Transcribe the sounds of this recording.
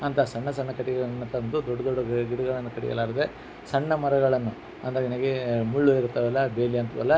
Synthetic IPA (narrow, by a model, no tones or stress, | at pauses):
ɐnt̪ʰɐsɐɳːɐsɐɳːɐkɐʈiɡɐɭnːɐt̪ɐɐnd̪ud̪ɔɖːɐd̪ɔɖːɐɡɡiɽuɡɐɭɐnːukɐʈḭɡɐ̰laːɾɐd̪e | sɐɳːɐmɐɾɐɡɐɭɐnːu | ɐ̰nd̪ɐɾeinɐɡemuɭːuiɾut̪ːɐʋɛlːɐbeːliɐnt̪ʰʋɐ̰lːɐ